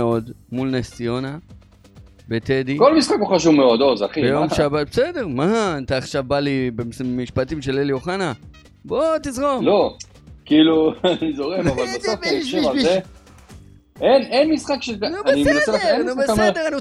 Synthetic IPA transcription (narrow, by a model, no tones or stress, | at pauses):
eo̞d̪mulnesio̞na | bet̪ed̪ikolmisχakoχaʃuvmeod̪ozaχibejo̞mʃabat̚besede̞ʁmat̪aːχʃavbalibesmiʃpat̪imʃeleljo̞χana | bot̪izʁomlo | kiiluanizoʁemavalbesofaiʃʃivaze | enenmisχakʃeoaniot͡selanubesd̪eʁani